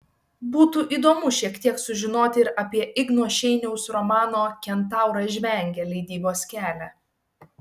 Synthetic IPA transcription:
buːt̪uːʔiːd̪oːmʊʃʲiɛkt̪ʲiɛksʊʒʲɪnoːt̪ʲɪɪɾɐpʲiɛʔɪɡnoːʃʲɛɪnʲɛʊsɾɔmɑːnoːkʲɛnt̪ɑˑʊɾɐʒʲʋʲɛˑŋʲɡʲɛlʲɛɪd̪ʲiːboːsʲkʲæːlʲæ

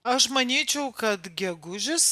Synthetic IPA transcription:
ɐʃmɐnʲiːt͡ʃʲɛʊkɐt̪ɡʲɛɡʊʒʲɪs

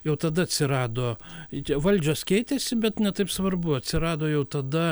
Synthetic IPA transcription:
jɛʊt̪ɐd̪ɐɐt̪ʲsʲɪɾɑːd̪oːt͡ʃʲɛʋɐlʲd͡ʒʲoːskʲɛɪt̪ʲɛsʲɪbʲɛt̪nʲɛt̪ɐɪpsʋɐrbʊɐt̪ʲsʲɪɾɑːd̪oːjɛʊt̪ɐd̪ɐ

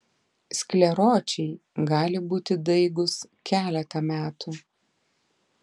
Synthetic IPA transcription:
sʲkʲlʲɛɾoːt͡ʃʲɛɪɡɑːlʲɪbuːt̪ʲɪd̪ɐɪɡʊskʲæːlʲɛt̪ɐmʲæːt̪uː

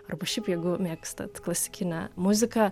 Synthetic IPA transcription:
ɐrbɐʃʲɛɪpjɛɪɡʊmʲeːkst̪ɐ̰t̪klˠɐsʲɪ̥kʲɪnʲɛmʊzʲɪkɐ

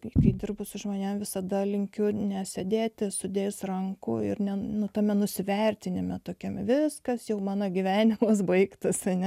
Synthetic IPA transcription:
kɐɪd̪ʲɪrbʊsʊʒmoːnʲemʋʲɪsɐd̪ɐlʲɪŋʲkʲʊnʲɛsʲɛd̪ʲeːt̪ʲɪsʊd̪ʲeːsrɐŋkʊ̰ɪ̰rnʲɛnʊt̪ɐmʲɛnʊsʲɪʋʲɛrʲt̪ʲɪnʲɪmʲɛt̪oːkʲɛmʋʲɪskɐsjɛʊmɑːnɐɡʲiʋʲæːnʲɪmɐs̬bɐɪkt̪ɐsɐnʲɛ

